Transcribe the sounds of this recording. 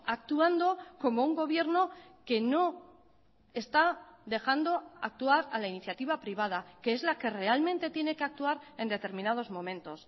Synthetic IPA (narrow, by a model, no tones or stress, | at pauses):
akt̪uand̪o̞ko̞mouŋɡo̞β̞je̞ɾno̞ke̞no̞ | e̞st̪aðe̞xand̪oak̚t̪uaɾalainiθjat̪iβ̞apɾiβ̞að̞ake̞ezlake̞re̞almẽ̞nt̪e̞t̪je̞ne̞ke̞ak̚t̪uaɾend̪e̞t̪e̞ɾmĩnað̞o̞zmõ̞mẽ̞nt̪o̞s